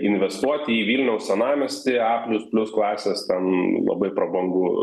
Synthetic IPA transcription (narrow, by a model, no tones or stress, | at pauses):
ɪnʲʋʲɛst̪uɔt̪ʲɪiːʋʲiːlʲnʲɛʊssʲɛnɑːmʲɛsʲt̪ʲɪɑːpʲlʲʊspʲlʲʊsklˠɑːsʲeːst̪ʲɛnlˠɐ̰bɐɪpɾɐbɐŋɡʊ